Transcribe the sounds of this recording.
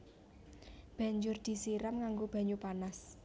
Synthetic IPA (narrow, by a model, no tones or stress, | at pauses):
b̥ä̤ɲd͡ʒʊrd̪̥i̤siɾamŋaŋɡob̥ä̤ɲupanas